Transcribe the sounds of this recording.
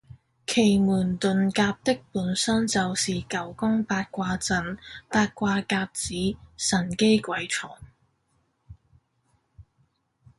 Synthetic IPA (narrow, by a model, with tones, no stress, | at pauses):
kʰe˨˩jmuː˨˩nt̪ɵ˨nkaː˧p̚t̪ɪ˥k̚puː˨˥nsɐ˥nt͡sɐ˨wsiː˨˩kɐ˨˥˩wkʊ˥ŋpaː˧t̚kʷaː˧t͡sɐ˨˧npaː˧t̚kʷaː˧kaː˧p̚t͡siː˨˥sɐ˨˩nke˥jkʷɐ˨˥jt͡ʃʰɔː˨˩ŋ